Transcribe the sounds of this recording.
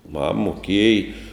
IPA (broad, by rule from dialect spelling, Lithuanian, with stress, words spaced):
ˈmɐm moːˈkʲeːj